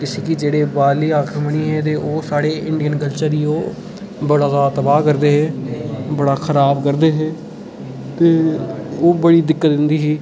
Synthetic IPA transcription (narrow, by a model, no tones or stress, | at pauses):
kɪseːkid͡ʒeːɽeːbaːliːaːkʰɪɾməɽ̃iːɦɛ̃ːt̪̬eːʔoːsaːɽeːɪɳɖijənkəlt͡ʃəɾiːoː | bəɽad̪aːt̪əbaːkəɾd̪eːɦeːbəɽaːkʰəɾaːbkəɾd̪eːɦeː | t̪eːoːbəɽiːd̪ɪkːət̪d̪ɪnd̪iːɦiː